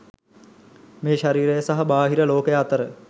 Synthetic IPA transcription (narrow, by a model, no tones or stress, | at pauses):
meːʃaɾiːɾəjəsaɦɐbaːɦiɾəloːkəjəat̪əɾə